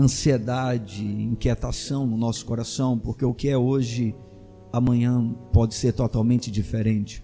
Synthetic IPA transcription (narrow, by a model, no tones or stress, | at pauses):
ɐ̃sied̪ad͡ʒɪĩket̪asɐ̃w̃nʊnɔsʊ̥koɾasɐ̃w̃poɾkeʊkɪɛoʒɪ | amɐ̃ɲɐ̃pɔd͡ʒɪseɾt̪ot̪awmẽnt͡ʃɪd͡ʒifeɾẽnt͡ʃɪ̥